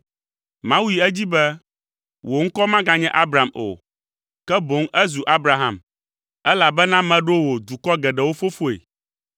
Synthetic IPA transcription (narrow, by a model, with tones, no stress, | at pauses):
mã˦wu˦i˨ɛ˦d͡ʑi˦bɛ˦ | wo˨ŋ̩˦kɔ˦mã˦ɡã˨ɲɛ̃˦ʔa˦bɾa˨mo̰˨ | kɛ˦bo˨˦ŋɛ˦zu˨ʔa˦bɾa˨ɦã˨m | ɛ˦la˨bɛ˦nã˦mɛ̃˨ɖo˦wo˨d̪u˨kɔ˦ɡɛ˨ɖɛ˨wo˦fo˦fo˦ḛ˨